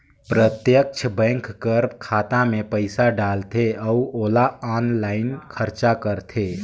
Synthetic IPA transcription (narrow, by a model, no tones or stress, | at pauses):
pɾət̪jək̚t͡ʃʰbɛ̃ŋkkəɾkʰaːt̪ãmẽpəɪsaɖaːlt̪ʰeəuoːlaaːnlaːɪnkʰəɾt͡ʃakəɾt̪ʰeː